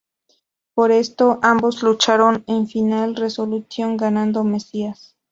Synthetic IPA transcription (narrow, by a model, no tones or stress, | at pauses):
poɾe̞st̪o̞ʔambo̞zlut͡ʃaɾo̞neɱfinalre̞so̞luθjo̞ŋɡanãnd̪ome̞sias